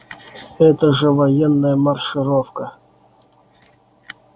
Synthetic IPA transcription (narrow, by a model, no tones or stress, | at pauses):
ɛt̪əʐɛvɐjɛnːəjəmɐrʂɨɾofkə